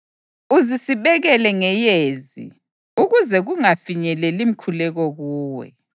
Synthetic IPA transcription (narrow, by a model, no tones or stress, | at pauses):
uzisiβɛɣɛlɛŋɛjeːzḭ | uɣuzɛɣuŋafiɲɛlɛlim̩kʰulɛɣɔɣuːwɛ̰